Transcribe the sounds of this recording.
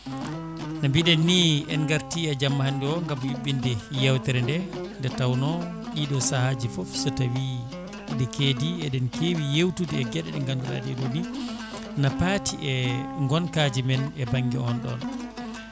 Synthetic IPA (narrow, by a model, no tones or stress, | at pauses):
nambiɗɛnːiɛ̰nɡaɾtiɛd͡ʒamːahandɛɔŋɡamwiɓːindɛjɛwtɛɾɛndɛndɛtawnɔ | ɗiɗɔsahad͡ʒifɔfsɔtawi | dɛkeːdiɛɗɛnkʰewijewtudiɛɡɛɗɛ̰ɗɛŋɡandula̰ːdiɛɗoɗi | napatʰiʔɛŋɡɔnkad͡ʒimɛnɛbaŋɡḭɔnɗɔ̰n